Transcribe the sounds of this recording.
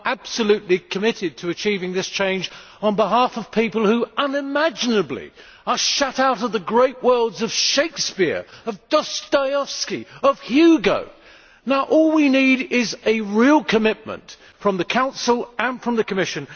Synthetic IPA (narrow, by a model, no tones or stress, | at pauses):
ʔæb̥səlʉtˡlikʰɨmɪɾɨd̚tʰɨɨt͡ʃʰivɪ̃ŋðɪst͡ʃʰẽɪ̃nd͡ʒ | ə̃n̩bəɦæfʌv̥pʰipəl̩ˠhʉʔʌ̃nɨmæd͡ʒɨnɨblḭ | ə˞ʃʌɾaʊɾʌvðɨɡɹeɪʔ̚wʔɜ˞lˠdzʌv̥ʃeɪkspɪ̰ɹʌvdʌstaɪɑfskiʌv̥hjʉɡo̰ʊ | naʊʔɔlˠwiniɾɪzɨɹilˠkʰɨmɪt̚mə̰̃nt | fɹʌ̃mðɨkʰãʊ̃nsl̩ˠɨ̃nfɹʌ̃mðɨkʰɨmɪʃɨ̃n